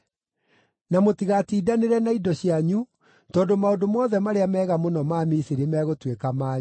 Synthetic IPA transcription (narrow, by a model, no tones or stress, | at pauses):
namotiɣatiːdaneɾɛnaidɔɕiaɲu | tɔːdomaondomɔːðɛmaɾeamɛːɣamonɔmaːmisiɾimɛɣotwekamaːɲ